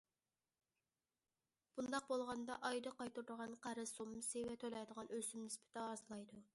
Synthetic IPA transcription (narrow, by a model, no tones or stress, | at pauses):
b̥und̪ɑq̚bolˠʁɑnd̪ɑʔɑjd̪ɨqɑjt̪uɾd̪əʁɑnqʰæɾɨsomːɨsewɛt̪ʰølɛjd̪əʁɑnøsymnɪspʰɪ̥t̪ɛːzlˠɑjd̪u